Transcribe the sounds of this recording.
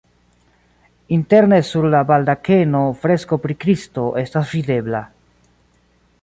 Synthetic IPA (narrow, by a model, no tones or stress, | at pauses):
inte̞ɾne̞suɾlabaldake̞no̞fɾe̞sko̞pɾikɾisto̞ʔe̞stasvide̞bla